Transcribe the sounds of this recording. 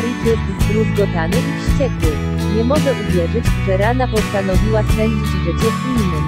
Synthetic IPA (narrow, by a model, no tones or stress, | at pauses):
ɾit̪ɘbʲizɡɾuzɡ̪ɔt̪anɘʔifʂt͡ɕɛkwɘ | ɲɛmɔʐɛʔuvʲjɛʐɘt͡ɕʐɛɾad̪apɔst̪anɔvʲiwasɛɲʲd͡ʑid͡ʑʐɘt͡ɕɛvinnɘ